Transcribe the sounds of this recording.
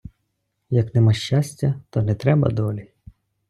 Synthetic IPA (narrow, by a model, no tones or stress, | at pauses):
jɐknɛmɑʃt͡ʃasʲtʲːɐt̪ɔnɛt̪ɾɛbɐ̰d̪ɔlʲi